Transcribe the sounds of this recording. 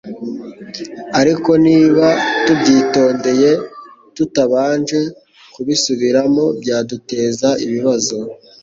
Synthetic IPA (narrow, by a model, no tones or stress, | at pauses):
aɾiko̞niːβatubɟiːto̞ːnde̞je̞ | tutaβaːnʒe̞ | kuβisuβiɾamo̞bjaːdute̞ːzaiβiβazo̞